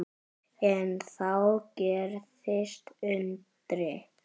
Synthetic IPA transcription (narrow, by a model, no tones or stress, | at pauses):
ɛnθawcɛːɾθɪst̪ʏnt̪ɾɪ